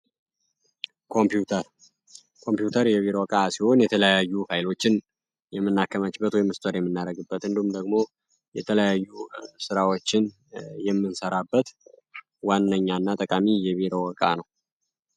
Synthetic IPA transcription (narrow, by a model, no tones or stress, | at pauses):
kʰompjut̪ʰɾ | kʰo̞mpjut̪ʰəɾjɛβiɾowɔkʼasiho̞njɛt̪ʰələjajːufajɪlo̞t͡ʃːɪn | jɛmːɨnːakːəmat͡ʃːɪbət̪wɔjmːɨst̪ʰʼəɾjɛmːɨnːaɾəɡɨbːət̪ɨnd̪ihumd̪əɡmo̞ | jɛt̪ʰələjajːusɨɾawo̞t͡ʃːɪn | jɛmːɨnsəɾabːət̪ | wanːəɲːanːat̪ʼəkʼamijɛβiɾowɔkʼa̰nəw